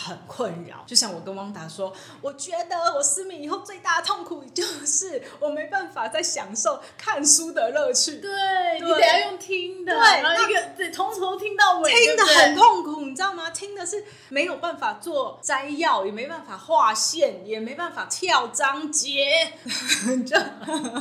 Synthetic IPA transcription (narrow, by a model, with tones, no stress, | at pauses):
xə˨˩nkʰwə˥˩nɻɑ̰˨˦ʊt͡ɕjo˥˧ʊɕjɑ˥˩ŋwɔ˨˩kə˥nwɑ˧˥ŋt̪a˨˥ʂwɔ˥ | wɔ˨˩t͡ɕɥɛ˧˥d̪ə˨˧wɔ˨˩sɹ̩˥mi˨˩ŋi˨˩xo˥˧ʊt͡swe˥˧ɪt̪a˥˩d̪ə˩t̪ʰo˥˩ŋkʰu˨˩t͡ɕjo˥˧ʊʂɻ̩˥˩wɔ˨˩me˧˥ɪpa˥˩nfa˨˩t͡sa˥˩ɪɕjɑ˨˩ŋʂo˥˧ʊkʰa˥˨nsu˥d̪ə˨ɻɤ˥˧t͡ɕʰy˥˩t̪we˥˩i˨˩jɑ˥˧jo˥˩ŋt̪ʰi˥ŋd̪ə˨we˥˩ɪ˧˥˧i˥ɡə˧˨˥t̪ʰʊ˧˥ŋt̪ʰo˧o˥t̪ʰi˥ŋt̪ɑ˥˩ʊwɔ˨˩i˥ŋd̪ə˨ə˨˩nkʰo˥˩ŋkʰʊ˨˩ŋʈ͡ʂjɑ˥˨˩ŋa˨˧t̪ʰi˦˥ŋd̪ə˨ʂɻ̩˥˩ | me˧˥ɪjo˨˩ʊpa˥˩nfa˨˩t͡swɔ˥˩t͡sa˥ɪjɑ˥˩ʊjɛ˨˩me˧˥ɪo˨˩pa˥˩nfa˨˩xwa˥˧ɕjɛ˥˩njɛ˨˩me˧˥ɪ˧pa˥˩nfa˨˩t̪ʰjɑ˥˩ʊʈ͡ʂɑ˥ŋt͡ɕjɛ˧˥˧ | ʈ͡ʂə˥˩